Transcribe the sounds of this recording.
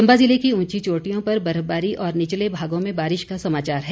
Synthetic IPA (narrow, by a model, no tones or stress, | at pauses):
ɐ̃mbazɪlekiũːt͡ʃit͡ʃoːʈijõpɐɾbɐɾəbaːɾiʔɔːɾnɪt͡ʃlebʱaːɡõmẽbaːɾɪʃkasɐmaːt͡ʃaːɾɦɛː